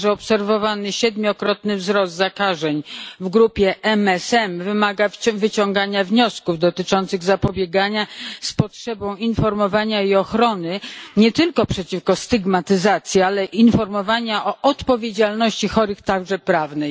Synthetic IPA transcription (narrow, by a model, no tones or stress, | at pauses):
ʐɛɔpsɛɾvɔvanɘɕɛd̪mʲjɔkɾɔt̪nɘvzɾɔsd̪zakaʐɛɲvɡɾupʲjɛʔɛmɛsɛmvɘmaɡavɘt͡ɕɔŋɡaɲavɲɔskuvd̪ɔt̪ɘt͡ʂɔnt̪sɘɣzapɔbʲjeɡaɲaspɔtʂɛbɔ̃w̃infɔɾmɔvaɲaiɔxɾɔnɘɲɛt̪ɘlkɔpʂɛt͡ɕifkɔst̪ɘɡmat̪ɘzat̪sʲjialɛʔinfɔɾmɔvaɲaʔɔʔɔt̪pɔvʲjed͡ʑalnɔɕt͡ɕixɔɾɘxt̪aɡʐɛpɾavnɛj